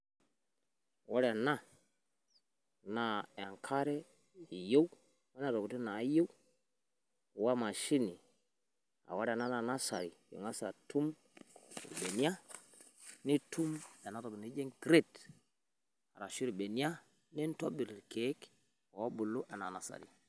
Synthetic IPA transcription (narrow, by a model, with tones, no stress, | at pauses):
wa˦ɾa˨na˦ | na˨a˨ŋkʰa˦ɾe˦ | i˨jo˦w | wa˦na˨ɾo˨ku˨ti˦na˨˦jo˦w | wa˦ma˨ʃi˦ni˨ | a̰˨wa˦ɾa˨na˦na˨na˦sa̰˨ɾi˨jo̰˨ŋa˦sa̰˨tu˦m˨ | ɾbe˨ni˦a˦ | ni˦tu˦ma˨na˦to˨bni˦d͡ʒe˦ŋɡɾe˦˨t | a̰˨ɾa˨ʃu˦ɾi˨be˨n˦a˦ | ni˦n˦to˦bi˨ɾke˨˦k | a˨wa˦bu˨lu˦ʔa˨na˨na˨sa̰˨ɾḭ˨